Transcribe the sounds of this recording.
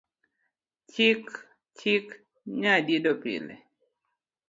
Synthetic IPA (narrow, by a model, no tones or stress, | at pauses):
t͡ʃik | t͡ʃik | ɲadidopḭlɛ̰